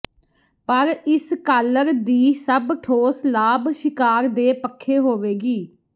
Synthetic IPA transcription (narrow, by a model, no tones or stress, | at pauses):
pəɾɪskaːləɾd̪iːsəbʈʰoːslaːbʃɪkaːɾd̪eːpəkʰːeːɦoːʋeːɡiː